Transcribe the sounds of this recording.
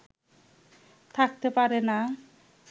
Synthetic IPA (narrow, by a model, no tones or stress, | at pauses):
t̪ʰak̚t̪epaɾena